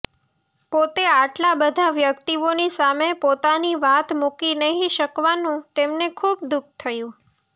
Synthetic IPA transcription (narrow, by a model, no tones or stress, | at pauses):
pot̪eaʈlabəd̪ʱaʋjəkt̪ionisamepot̪aniʋat̪mukinəɦĩʃəkʋanũt̪emnekʰub̚d̪uk̚ʰt̪ʰəjũ